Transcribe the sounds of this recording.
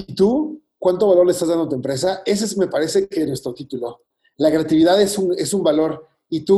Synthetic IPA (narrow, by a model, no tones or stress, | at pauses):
it̪u | kwant̪oalo̞ɾlest̪azðand̪ot̪uwe̞mpɾe̞s̬ae̞s̬esme̞paɾe̞se̞kenwest̪ɾo̞t̪it̪ulo̞ | lakɾeat̪iβiðaðesune̞sumbalo̞ɾ | it̪u